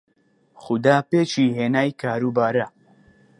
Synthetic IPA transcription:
xʊd̪aːpeːt͡ʃiːɦeːnaːjkʰaːɾuːbaːɾa

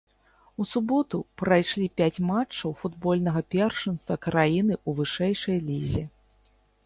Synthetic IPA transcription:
usubɔt̪upɾajʂlʲipʲat͡sʲmat͡ʂːɐwfud̪bɔlʲnɐɣɐpʲɛrʂɨnt̪sɐkɾajinɨuvɨʂɛjʂɐjlʲizʲi

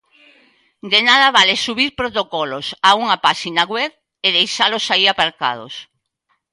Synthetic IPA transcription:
d̪enað̞ɐβalesuβiɾpɾot̪okɔlosauŋapaʃinaɣwɛβ | eðejʃalosaiapaɾka̰ð̞o̰s

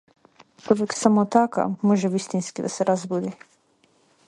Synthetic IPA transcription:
t͡ʃoʋɛksamot̪aka̰moʒɛʋist̪inskid̪asɛɾazbud̪i

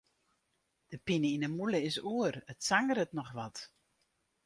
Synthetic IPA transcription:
d̥əpinəinəmuləɪsuərətsaŋəɾətnɔxʋɔt

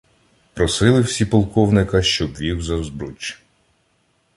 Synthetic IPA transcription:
pɾɔsɪlˠɪwsʲipɔlˠkɔwnɪkɐʃt͡ʃɔbʋʲiwzɐzbɾut͡ʃ

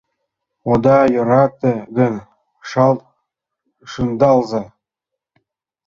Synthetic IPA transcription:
od̪ɑjɤ̆ɾɑt̪ɤ̆ɡɘ̆nʲ | ʃɑlˠ | ʃɯnd̪ɑlˠzɑ

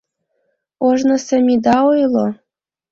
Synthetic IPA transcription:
oʒnɤ̆sɘ̆mʲid̪ɑojlˠo

